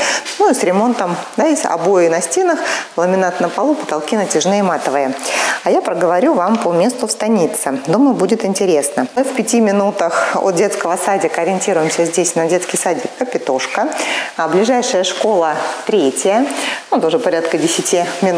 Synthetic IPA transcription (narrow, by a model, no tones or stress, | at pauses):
nuisɾʲɪmo̞nt̪əmd̪ajesʲɐ̰bo̞jɪnɐsʲtʲenəxlˠəmʲɪnat̪nəpalˠupə̥t̪ɐlˠkʲinətʲɪʐnɨjəmat̪əvəjəajapɾəɡəvɐɾʲuvampəmʲe̞st̪ʊfst̪ɐnʲit̪sɨd̪uməjʊbudʲɪt̪ɪnʲtʲɪɾʲe̞snəmɨfpʲɪtʲimʲɪnut̪əxo̰t̪̚dʲe̞t̪skəvəsadʲɪkəɐɾʲɪɪnʲtʲiɾʊjɪmsʲəzʲdʲesʲnɐdʲe̞t̪skʲɪjsadʲɪk̪̚əpʲɪt̪oʂkəablʲɪʐajʂəjəʂko̞lˠət̪ɾʲetʲjənut̪oʐɨpɐɾʲat̪kədʲɪsʲɪtʲimʲɪn